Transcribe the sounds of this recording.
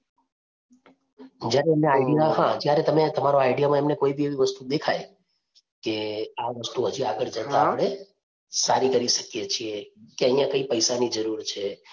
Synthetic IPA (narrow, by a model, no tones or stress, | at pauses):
d͡ʒjaɾeːmneajɖijaɦãd͡ʒjaɾet̪əmet̪əmaɾoajɖijamãemnekoibieʋiʋəst̪ud̪ekʰaj | keaʋəst̪uɦəd͡ʒuaɡəɭd͡ʒət̪aːpɽ̃e | saɾikəɾiʃəkjet͡ʃʰiekeəĩjãkəipəjsanid͡ʒəɾuɾt͡ʃʰe